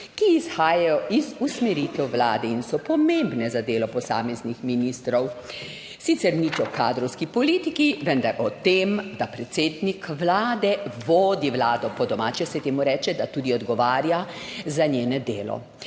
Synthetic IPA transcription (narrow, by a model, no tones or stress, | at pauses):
kiːsxaːjajɔʔizusmɛɾit̪ɛwʋlaːd̪ɛinsɔpɔmẽmbnɛzad̪eːlɔpɔsa̰ːmɛznixminiːst̪ɾɔw | sit̪sɛɾnit͡ʃɔkaːd̪ɾɔwskipɔliːt̪ikiʋɛnd̪aɾʔɔt̪eːmd̪apɾɛt̪seːd̪nikʋlaːd̪ɛʋoːd̪iʋlaːd̪ɔpɔd̪ɔmaːt͡ʃɛsɛt̪eːmuɾɛːt͡ʃɛd̪at̪ud̪iɔd̪ɡɔʋaːɾjazanjeːnɛd̪eːlɔ̰